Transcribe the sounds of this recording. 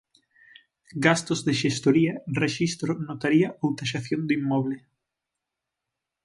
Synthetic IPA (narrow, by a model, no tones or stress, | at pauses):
ɡast̪ozðeʃest̪oɾiɐreʃist̪ɾonot̪aɾiɐʔowt̪aʃaθjond̪uimːɔβle